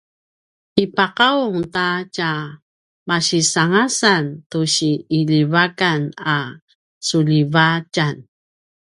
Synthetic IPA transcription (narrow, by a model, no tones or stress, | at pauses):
ipaqauŋtaca | maɕisaŋasantuɕiːʎivakana | suʎivacan